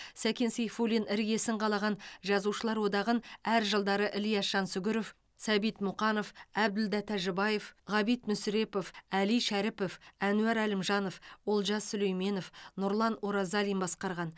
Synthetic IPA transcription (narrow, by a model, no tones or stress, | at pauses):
sækʲe̞nsejfulʲinɪɾɡʲe̞sɪɴqʰɑlˠɑʁɑnʒɑzuʃəlˠɑɾwo̞d̪ɑʁənæɾʒəlˠd̪ɑɾəʔɪlijɑsʒ̥ɑnsʊɡʲɪɾof | sæbijt̪mʊqɑno̞fæb̚d̪ɪld̪æt̪ʰæʒɪbɑje̞fʁɑbijt̪mʏsɾe̞po̞fælijʃæɾɪpo̞fænuwæɾælɪmʒɑno̞folˠʒɑsːʏlejme̞nofnʊɾlˠɑnoɾɑzɑlijmbɑsqɑɾʁɑn